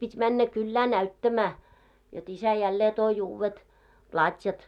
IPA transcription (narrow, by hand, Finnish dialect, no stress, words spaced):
pitʲ mænːæ kylːæː næytːæmæː jot isæ jælːeː toi uːwːet plɑtʲjɑt